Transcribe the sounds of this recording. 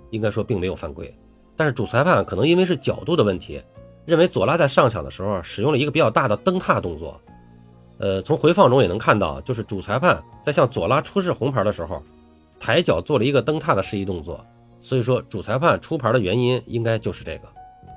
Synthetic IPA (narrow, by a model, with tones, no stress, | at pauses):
i˥ŋka˥ʂwɔ˥pi˥˩ŋme˧˥ɪjo˨˩ʊfa˥˧nkwe˥˩ɪ | t̪a˥˧nʂɻ̩˥˩ʈ͡ʂu˨˩t͡sʰa˧˥ɪpʰa˥˩nkʰɤ˨˩n˧˥ŋi˥nwe˥ɪʂɻ̩˥˩t͡ɕjɑ˨˩ʊt̪u˥˩d̪ə˩wə˥˩nt̪ʰḭ˧˥ | ɻə˥˩nwe˧˥ɪt͡swɔ˨˩la˥t͡sa˥˧ʂɑ˥˩ŋt͡ɕʰɑ̰˨˩ŋd̪ə̰˦ʂɻ̩˧˥xɔ˧ʂɻ̩˨˩jʊ˥˩ŋlə˩i˧˥ɡə˩pi˧˥t͡ɕjɑ˨˩ʊt̪a˥˩d̪ə˩t̪ɤ˥ŋt̪ʰa˥˧t̪ʊ˥˧ŋt͡swɔ̰˥˩ | ə˧t͡sʰʊ˧˥ŋxwe˧˥ɪfɑ˥˩ŋʈ͡ʂʊ˥ŋjɛ˨˩nɤ˧˥ŋkʰa˥˧nt̪ɑ̰˥˩ʊt͡ɕjo˥˧ʊʂɻ̩˥˩ʈ͡ʂu˨˩t͡sʰa˧˥ɪpʰa˥˩nt͡sa˥˧ɪɕjɑ˥˩ŋt͡swɔ̰˨˩la˥ʈ͡ʂʰu˥ʂ̬ɻ̩˥˩xʊ˧˥ŋpʰə˞˧˥d̪ə˧ʂɻ̩˧˥xo˧ʊ | t̪ʰa˧˥ɪt͡ɕjɑ˨˩ʊt͡swɔ˥˩lə˩i˧˥ɡə˧t̪ɤ˥ŋt̪ʰa˥˩d̪ə˩ʂɻ̩˥˧i˥˧t̪ʊ˥˧ŋt͡swɔ̰˥˩ | swɔ˧˥i˨˩ʂwɔ˥ʈ͡ʂu˨˩t͡sʰa˧˥ɪpʰa˥˩nʈ͡ʂʰu˥pʰə˞˧˥d̪ə˧ɥɛ˧˥ni˥ni˥ŋka˥ɪt͡ɕjo˥˧ʊʂɻ̩˥˧ʈ͡ʂɤ˥˩ɡə˩